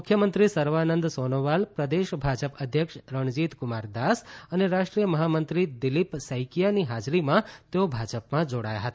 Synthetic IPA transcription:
mʊkʰjəmənt̪ɾisəɾʋanənd̪sonoʋalpɾəd̪eʃbʱad͡ʒəpəd̪ʱjəkʃɾəɳ̃d͡ʒit̪kʊmaɾd̪asəneɾaʃʈɾijəməɦamənt̪ɾid̪ɪlipsəjkijaniɦad͡ʒɾimãt̪eobʱad͡ʒəpmãd͡ʒoɽa̰ja̰ɦət̪a

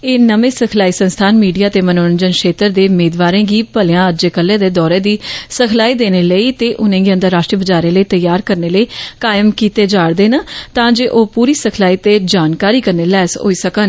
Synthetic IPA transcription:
eːnəmẽːsəkʰlaːiːsənst̪ʰaːnmiːɖijaːt̪eːmənoːənd͡ʒənkʃeːt̪əɾd̪eːʊmeːd̪ʋaːɾẽːɡiːpəlɪjãːəd͡ʒeːkəlːẽːd̪eːd̪ɔːɾeːd̪iːsəkʰlaːiːd̪eːneːləiːt̪eːʔʊnẽːɡiə̃nd̪əɾːaːʃʈɾiːbəd͡ʒaːɾẽːləiːt̪əjaːɾkəɾneːləiːkaːjəmkiːt̪eːd͡ʒaːɽd̪eːnaːt̪ãːd͡ʒeːʔoːpuːɾiːsəkʰlaːiːt̪eːd͡ʒaːnkaːɾiːkəɾneːlɛːsɦo̰ːiːsəkən

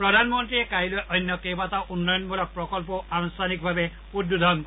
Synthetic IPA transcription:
pɹɔd̪ʱanmɔnt̪ɹiekaɦilojʔɔnːɔkejbataʔunːɔjɔnbɔlɔk̚pɹɔkɔlp̬ɔanɔstanik̚bʱabe | utjud̪ʱaɔnk

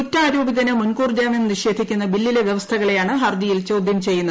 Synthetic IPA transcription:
utːaːɾoːbiðɐnemunkuːrd͡ʑaːmenniɕe̞ːd̪ʱikʲːunːɐbilːileʋjeʋɐst̪ʰɐɣɐɭe̞jaːɳɨɦɐrd̪ijilt͡ɕo̞ːd̪ʱjɐmt͡ɕe̞jːunːɐ

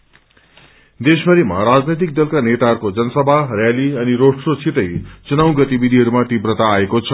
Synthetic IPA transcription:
d̪esmʌɾima̰ɾad͡znʌjt̪̬ik̚d̪ʌlkanet̪aɦʌrkod͡zʌnʌsʌbʱarjaliʌniɾoɽsot͡sʰit̪ʌjt͡sunaw̃ɡʌt̪ibid̪ʱiɦʌɾumaʈibrʌt̪aːekot͡sʰʌ

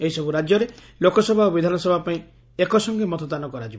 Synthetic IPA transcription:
eɦisɔbuɾad͡ʒjɔɾe | lokɔsɔbʱaobid̪ʱanɔsɔbʱapaĩ | ekɔsɔŋɡemɔt̪ɔd̪anɔkɔɾad͡ʒib

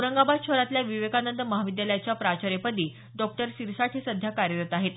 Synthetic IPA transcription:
uɾəŋɡabad̪ɕəɾat̪ljaʋiʋekanənt̪əməɦaʋid̪jaləjat͡ɕjapɾat͡ɕəɾepəd̪iː | ɖɔk̚ʈəɾɕiɾsaʈʰesəd̪ʱjakaɾjəɾət̪aɦet̪

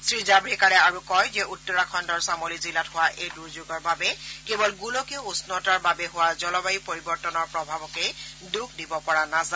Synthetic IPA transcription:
sɹizabɹikaɹɛaɹukɔjzɛʔutːɔɹakʰɔndɔɹsamolizilatɦʊwaʔejduɹzuɡɔɹbabɛkebɔlɡulɔkɛusnɔtaɹbabɛɦʊwazɔlɔbajipoɹibɔɹtɔnɔɹpɹɔbʱabɔkɛj | duɡ̚ʰʱdibɔpɔɹanaza

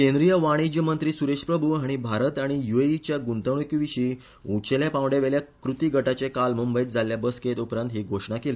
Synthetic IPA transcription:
kẽnd̪ɾijəʋaɽ̃id͡ʑjəmənt̪ɾiːsuɾeʂpɾəbʱuaɽ̃ibʱaɾət̪aɽ̃ijueit͡ɕjaɡunt̪əɳ̃ukiʋiɕiː | ũt͡ɕeljapãʋɽjaʋeljakɾut̪iːɡʱəʈat͡ɕekalmumbəjiːt̪̚d͡zʱalːjabəsket̪upɾãnt̪ɦiɡʱoʂɳakeliː

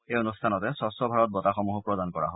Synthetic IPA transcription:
ejonustʰanɔtɛsɔsɔbʱaɹɔt̚bɔtaxɔmuɦʊpɹɔdankɔɹa̰ɦɔ

